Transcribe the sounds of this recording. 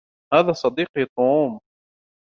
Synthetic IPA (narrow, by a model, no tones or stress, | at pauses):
haːðasˤɑd̪iːqit̪̚ˤuːm